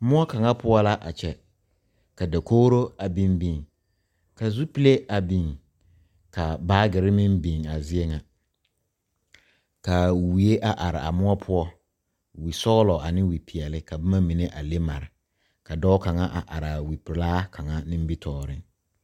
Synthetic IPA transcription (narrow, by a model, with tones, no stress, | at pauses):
mʊ˦ɔ˦ka˨ŋa˦pʰʊ˦ɔ˦la˦ʔa̰˨t͡ʃʰɛ˨ | ka˨da˨kʰoː˦ɾo˦a˨bĩ˦mbĩ˨ŋ | ka˨zu˦pi˦le˦ʔa˨bi˨ŋ | kʰa˨baː˦ɡɪ˨ɾɪ˦mɪ̃˦m˦bĩ˨ŋa˨zɪ˦ɛ˦ŋa˨ | ka˨wi˨e˦ʔa˨ʔa˨ɾɪ̰˨a̰˨mʊ˦ɔ˦pʰʊ˦ɔ˦ | wi˨sɔ˦ɣlɔ˨a˨nɪ̃˦wi˨pʰi˨ɛ˨lɪ˦kʰa˨bɛ˦mã˦mĩ˨ne˦ʔa˨le˦ma̰˨ɾɪ˨ | kʰa˨dɔ˦ka˨ŋa˦ʔa̰˨ʔa˨ɾɪ˨a˨wi˨plaː˦kʰa˨ŋa˦nɪ̃˦m˦bi˦tʰɔː˦ɾɪ˦ŋ